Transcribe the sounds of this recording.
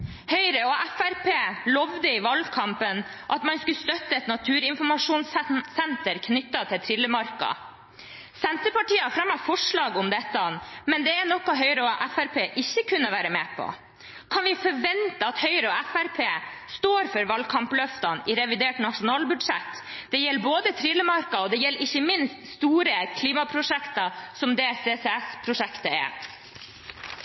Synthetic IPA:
hœʏɾəɔʔæfæɾpʰeːlɔʋd̪əɪʋɑlkʰɑmpənʔɑt̪mɑnskʉst̪œt̪ːəɛt̪nɑt̪ʰʉːɾɪnfɔɾmɑʂuːnssɛnt̪əɾkʰnʏt̪ːɑt̪ʰɪlt̪ʰɾɪlːəmɑɾkɑ̰ | sɛnt̪əpɑʈiːɑfɾɑmːɑfɔʂɭɑːɡʊmd̪ɛt̪ːɑmɛnd̪ɛæɳɔkːɑɦœʏɾəɔʔæfæɾpʰeːʔɪçːəkʰʉnːəʋæːɾəmeːpʰɔ̰ | kʰɑnʋɪfɔɾʋɛnt̪əɑt̪hœʏɾəɔæfæɾpʰeː | st̪oːɾfœɾʋɑlkʰɑmplœft̪ɑnɪɾɛʋɪd̪eːʈnɑʂʊnɑːlbʉd̪ʂɛt̪ː | d̪̥ɛjɛlːboːd̪ət̪ʰɾɪlːəmɑɾkɑɔd̪ɛjɛlːəɾɪçːəmɪnst̪st̪uːɾəkʰliːmɑpʰɾʊʂɛkt̪ɑsɔmd̪ɛseːsɛæspʰɾʊʂɛkt̪əɛ̰

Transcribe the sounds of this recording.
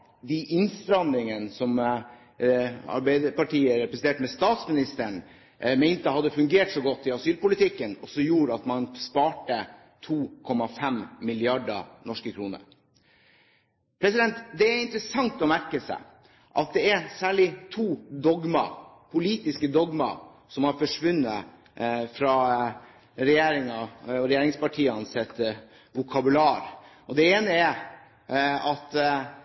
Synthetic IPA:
d̪iʔɪnst̪ɾɑnd̪ɪŋənsɔm | ɑ̰ɾbæɪd̪əpɑʈiːəɾɛpɾəsn̩t̪ʰeːʈmɛst̪ɑːt̪smɪnɪst̪əɳ | meɪnt̪əhɑd̪ːəfʉŋɡeːʈsɔɡɔt̪ːɪɑsyːlpʊlɪt̪ʰɪkːənɔsɔjuːɾəɑt̪mɑnspɑːʈə | t̪ʰuːkʰɔmɑfɛmmɪlɪɑɖɑ̰nɔʂkəkʰɾuːnə̰ɾ | pʰɾɛsɪd̪ɛnt̪d̪ɛæɾɪnt̪ɾəsɑŋt̪ɔmæɾkəsæ̰ɪ | ʔɑt̪̚d̪ɛæɾsæːɭɪt̪ʰuːd̪ɔɡmɑ̰ | pʰʊliːt̪ɪskəd̪ɔɡmɑ̰ | sɔmhɑɾfɔʂʋʉnːə | fɾɑ | ɾɛjeːɾɪŋɑɔɾɛjeːɾɪŋspɑʈʰiːɑnsɛt̪ | ʋʊkʰɑbʉlɑːɾ | ɔd̪ɛeːnəɛ | ɑt̪

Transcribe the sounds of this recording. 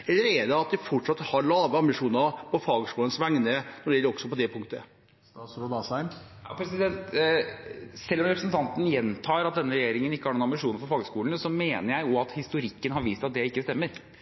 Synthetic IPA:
ɛlːəɾɛɖ̪ɛɑt̪̚d̪ɪfɔʈʂɑt̪ːhɑɾɭɑːʋəɑmbɪʂuːnəɾpʰɔfɑːɡskuːlənsʋæŋnənɔɾɪɛləɾɔksɔpɔd̪ɛpʰʊŋt̪ə | sɾʊd̪ɑsæɪm | ɑ̰pʰɾɛsɪd̪ɛnt̪ | sɛlːɔmɾɛpɾəsənt̪ʰɑnt̪ən̩jɛnt̪ʰɑːɾɑt̪̚d̪ɛnːəɾɛjeːɾɪŋənɪkːəhæɾɳuːnɑmbɪʂuːnəɾfɔɾfɑːɡəskuːln̩sɔmeːnəɾjæɪjʊɑt̪hɪst̪ʊɾɪkːənɦɑɾʋiːst̪ɑt̪̚d̪ɛɪkːəst̪ɛmːəɾ

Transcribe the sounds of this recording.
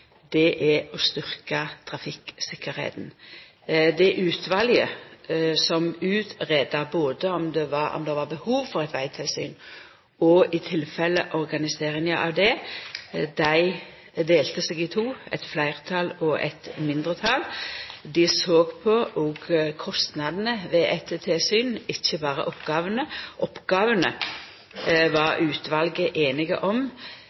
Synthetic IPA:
d̪ɛʔæɔst̪ʏʁkɑt̪ʰɾɑfɪksɪkːəɾhḛːt̪n | d̪ɛʔʉːt̪ʰʋɑljə | sɔmʉːt̪ʁɛːd̪ɑboːd̪əɔmd̪ɛʋɑɔ̰md̪ɛʋɑʁbəhuːʋfɔʁɛt̪ʋæɪt̪ʰɪlsy̰ːn | ɔɪt̪ʰɪlfɛlːəʔɔʁɡɑnɪseːʁɪŋəʔɑ̰ʋd̪ɛ | d̪æɪ | d̪eːlt̪əsɛːɡɪt̪ʰuːɛ̰t̪flæɪʁət̪ʰɑlɔʔɛ̰t̪mɪnd̪ʁət̪ʰɑld̪ɪsoːɡpʰɔʔɔɡkʰɔst̪nɑd̪n̩əʋɛʔæt̪t̪ʰɪlsyːnɪçːəbɑːʁə̰ʔɔpɡ̥ɑːʋənəʔɔpɡɑːʋənə | ʋɑɾʔʉːt̪ʋɑlɡəʔeːnɪɡə̰ʔɔm

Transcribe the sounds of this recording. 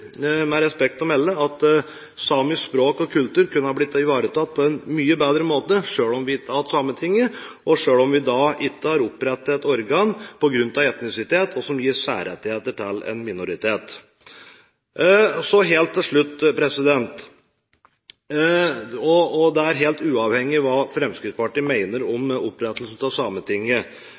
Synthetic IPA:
mɛɾɛspɛk̚t̪ɔmɛlːəɑt̪ | sɑːmɪspɾoːkɔkʰʉlt̪ʉːɾkʉnəhɑɾblɪt̪ːɪʋɑːɾət̪ʰɑt̪̚ːpʰɔɛnmyːəbeːd̪ɾəmoːt̪əʂøːɭɔmʋɪɪt̪ːəhɑt̪sɑːmət̪ʰɪŋːəʔɔʂøːlɔmʋɪd̪ɑɪt̪ːəhɑɾʊpːɾɛt̪ːɛt̪ɔɾɡɑːnpʰɔɡɾʉnːt̪ɑʋɛt̪nɪsɪt̪ʰeːt̪ʰɔsɔmjiːʂæ̰ːɾɛ̰t̪ːɪheːt̪əʈʰɪlɛ̰nmɪnʊɾɪt̪ʰeːt̪ | sɔɦeːlt̪ːɪlʂɭʉt̪ːpʰɾɛsɪd̪ɛnt̪ | ɔɔd̪ɛæɾɦeːlt̪ʉːɑʋhɛŋːɪʋɑːfɾɛmskɾɪt̪spɑʈiːmæɪnəɾɔmɔpːɾɛt̪əlsn̩t̪ɑsɑːmət̪ʰɪŋːə

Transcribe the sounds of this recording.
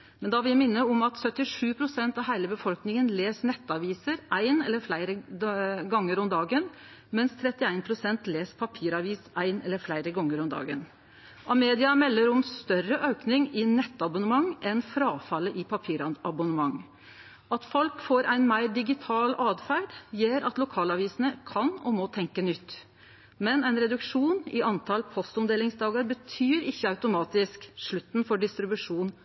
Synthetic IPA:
mɛnd̪ɑʋɪljæmɪnːəɔmɑt̪sœt̪ːɪʂʉːpʰɾʊsɛnt̪ɑʋɦæɪləbəfɔlknɪŋənleːsnɛt̪ːɑʋiːsəɾʔæɪnɛlːəɾflæɪɾə | ɡɑŋːəɾɔmd̪ɑːɡən | mɛnst̪ʰɾɛt̪ːɪæɪnpʰɾʊsɛnt̪leːspʰɑpʰiːɾɑʋiːsʔæɪnɛlːəɾflæɪɾəɡɔŋːəɾɔmd̪ɑ̰ːɡə̰n | ʔɑmeːd̪ɪɑmɛlːəɾɔmst̪œrəʔøʉknɪŋɪnɛt̪ːɑbʊnəmɑŋːɛnfɾɑːfɑlːəʔɪpʰɑpʰiːɾɑɑbʊnəmɑŋ | ɑt̪fɔlkfoːɾæɪnmæɪɖɪɡɪt̪ʰɑːlɑːd̪fæːɖjeːɾɑt̪lʊkʰɑːlɑʋiːsənəkʰɑnɔmɔt̪ʰɛŋkənʏt̪ː | mɛnæɪnɾɛd̪ʉkʂuːnɪɑnt̪ʰɑlpʰɔst̪ɔmd̪eːlɪŋsd̪ɑːɡəɾbət̪ʰyːɾɪçːəɑʉt̪ʊmɑːt̪ɪskʂɭʉt̪ːn̩fɔɖɪst̪ɾɪbʉʂuːn

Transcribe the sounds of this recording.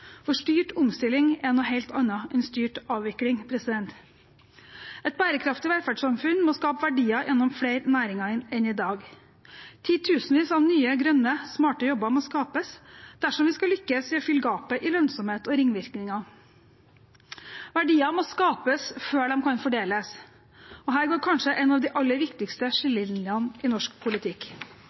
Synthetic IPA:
fɔʂʈyːʈʊmst̪ɪlɪŋɛnɔhæɪlt̪ʰɑnːɑɛnst̪yːʈɑːʋʋɪklɪŋpʰɾɛsɪd̪ɛnt̪ | ʔɛt̪̚bæːɾəkʰɾɑft̪ɪʋæɾfæɖʂɑmfʉnmɔskɑːpəʋæɖiːɑʔɛnːɔmfleɪɾnæːɾɪŋɑnɛnɪd̪ɑːɡ | t̪ʰiːt̪ʰʉːsnʋiːsɑʋnyːəɡɾœnːəsmɑːʈəjɔbːəmɔskɑːpəsd̪̥æʂɔmʋɪskɑlʏkːəsʋɪfʏlɡɑːpəʔɪlœnsɔmheːt̪ɔɾɪŋːʋɪɾknɪŋɑ | ʋæɖiːɑmɔskɑːpəsføːɖɛmkʰɑnfɔɖeːləs | ɔɦæːɾɡoːɾkʰɑnʂəʔɛnɑːʋd̪ɪʔɑlːəɾʋɪkt̪ɪkst̪əʂɪlːɪlnɪɑnɪnɔʂk̚pʰʊlɪt̪ʰɪk

